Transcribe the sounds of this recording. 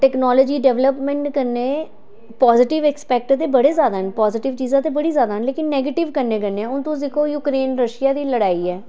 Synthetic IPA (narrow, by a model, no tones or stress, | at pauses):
ʈɛːknɔːlɔːd͡ʒiːɖɛːʋləpmɛ̃ɳʈkəɾneː | pɔːzɪʈɪʋɛːkspɛːk̚ʈt̪eːbəɽeːzjaːd̪aːɦənpɔːzɪʈɪʋt͡ʃiːzãːt̪eːbəɽiːzjaːd̪aːɦnleːkɪnːɛːɡeːʈɪʋkəɾneːkəneɛːʊnt̪õːsɪkʰoːjuːkɾeːnɾəʃɪjaːd̪iːləɽaːiːɛː